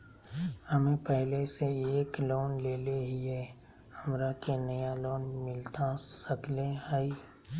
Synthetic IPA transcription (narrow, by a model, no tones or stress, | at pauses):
həmẽpɛɦleseeːkloːnleːleɦiɦɛ | həmɾakenəjaloːnmɪlt̪asəkleɦəi